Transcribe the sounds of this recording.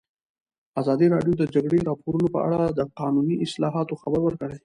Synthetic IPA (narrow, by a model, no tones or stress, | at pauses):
azɑd̪iɾɑɖjod̪əd͡ʒaɡɽeɾɑpoɾunopə̰a̰ɽad̪əqɑnuniʔɪslɑɦɑt̪oxabəɾwəɾkəɽej